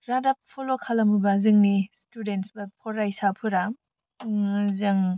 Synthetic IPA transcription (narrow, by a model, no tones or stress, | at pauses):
ɾadap̚pʰolokʰalɐmubazɯŋnistudentsbɐpʰɔɾajsapʰuɾa | zɯŋ